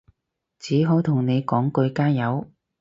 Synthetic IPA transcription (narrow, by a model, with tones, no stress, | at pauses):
t͡siː˨˥ɦo˨˥wt̪ʰʊ˨˩ŋne˨˧jkɔː˨˥ŋkɵ˧ɥkaː˥jɐ˨˧w